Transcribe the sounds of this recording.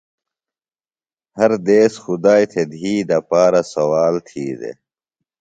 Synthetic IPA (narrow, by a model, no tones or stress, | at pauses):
hɐɾd̪eːsxud̪aːjt̪ʰed̪ʱiːd̪ɐpaːɾɐsɐwaːlt̪ʰiːd̪ḛ